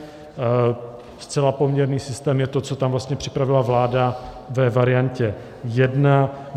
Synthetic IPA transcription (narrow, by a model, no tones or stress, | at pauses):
st͡sɛlapo̞mɲɛɾniːsɪst̪ɛːmjɛt̪o̞t͡so̞t̪amvlast̪ɲɛpr̝̥ɪ̥pɾavɪlavlaːda | vɛvaɾɪjancɛ | jɛdna